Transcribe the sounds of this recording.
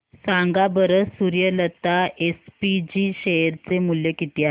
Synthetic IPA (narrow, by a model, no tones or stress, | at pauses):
sãŋɡabəɾəsuɾjələt̪aespid͡ʑiːɕeɾt͡semuljəkit̪iːa